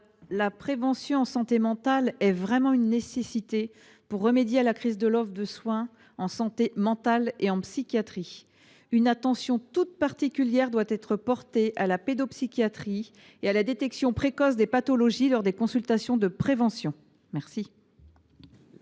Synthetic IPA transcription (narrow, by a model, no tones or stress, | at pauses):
lapχevɑ̃sjɔ̃ɑ̃sɑ̃t̪emɑ̃t̪alɛvʁɛmɑ̃ynːesesit̪e | puʁːəmed̪jealakχizd̪əlɔvd̪əswɛ̃ | ɑ̃sɑ̃t̪emɑ̃t̪aleɑ̃psikʲjat̪χi | ynat̪ɑ̃sjɔ̃t̪ut̪̚paʁt̪ikʲyljɛʁd̪wat̪ɛt̪χəpɔʁt̪eʔalaped̪ɔpsikʲjat̪χi | ealad̪et̪ɛksjɔ̃pχekɔsd̪epat̪ɔlɔʒilɔʁd̪ekɔ̃sylt̪asjɔ̃d̪əpχevɑ̃sjɔ̃ | mɛʁsi